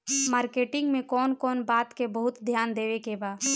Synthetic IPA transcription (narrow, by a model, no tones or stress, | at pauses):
maːɾkeːʈɪ̃ŋɡmẽkɔːnkɔːnbaːt̪kebəɦʊt̪d̪ʱjaːnd̪eːʋekebaːd̪